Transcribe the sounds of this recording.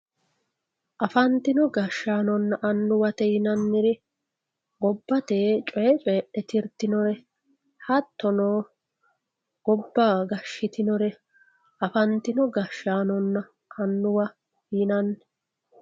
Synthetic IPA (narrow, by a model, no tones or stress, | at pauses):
ʔɐfɐnt̪ɪnɔɡɐʃːaːnɔnːɐʔɐnːʊwɐt̪ɛjɪnɐnːɪɾɪ | ɡɔbːɐt̪eːt͡ʃʼɔjɛt͡ʃʼeʔɛt̪ɪɾt̪ːɪnɔɾɛ | hɐt̪ːɔnoː | ɡ̥ɔbːaːɡɐʃːɪt̪ɪnɔɾɛ | ʔɐfɐnt̪ɪnɔɡɐʃːaːnɔnːɐ | ɐnːʊwɐ | hinɐnːɛ̥